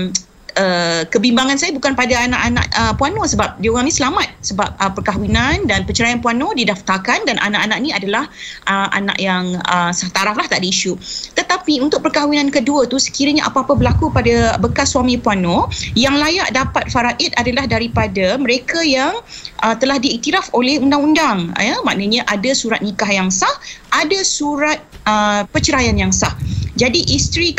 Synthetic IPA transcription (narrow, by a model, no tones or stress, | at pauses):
əkəbimbaŋansajabukanpadaanã̰ʔanã̰ʔəpuanosəbap̚dioɣaŋnĩsəlamat̪̚səbap̚əpːərkaɦwinandanpəɲt͡ʃəɾajanpuanodidaft̪akandanʔa̰naʔanãʔnĩadalahʔəʔa̰na̰ʔjaŋəsaht̪aɾaflaht̪aʔdəiʃut̪ət̪apiunt̪ʊk̚pərkawinankəduət̪usə̥kiɾəɲaʔapaːpəbəlakukpadabəkasːwamĩpuanojaŋlajaʔdapat̪̚faɾaʔit̪̚adalahdaɾipadamə̃ɾekajaŋ | ʔət̪əlahdiːʔt̪iɾafolɛhundaŋundaŋəmã̰ʔnəɲãʔadasuɾat̪̚nikahjaŋsahadasuɾat̪̚əpət͡ʃəɾajanjaŋsahd͡ʒadiʔist̪ɾi